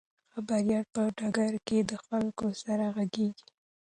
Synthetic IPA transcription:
xabaɾjɑt̪̚pəɖɑɡaɾked̪əxwaŋkosaɾaɣaɡeɡi̥

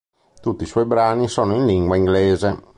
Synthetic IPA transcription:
t̪ut̪ːiswɔjbɾaːnisɔːnoinliŋɡwaiŋɡlɛːze

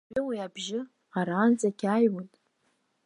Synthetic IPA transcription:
ɪwiabʒɪ | aɾaːnt͡sʼakʲʰajwatʼ

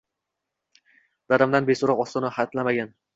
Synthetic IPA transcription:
d̪aɾamd̪anbesoɾɒqɒst̪ɒnahat̪lamaɡʲan

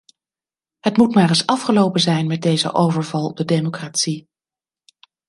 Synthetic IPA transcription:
ɦətmutmaːrəsɑfχəlowpənzɛjnmɛd̚dejzə̰ʔowvəɹvɑlˠdədejmokraːtsi

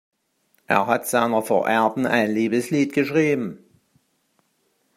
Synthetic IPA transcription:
ʔḛːɐɦatz̥aɪnɐfo̰ːɐʔɛɐdn̩ʔa̰ɪnliːbəsliːtɡ̥əʃʁ̥iːbm̩

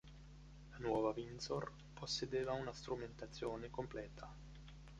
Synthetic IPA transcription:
lanwɔvavinsor | posːed̪eːvaunast̪ɾument̪at̪sːjoːnekomplɛːt̪ʰa

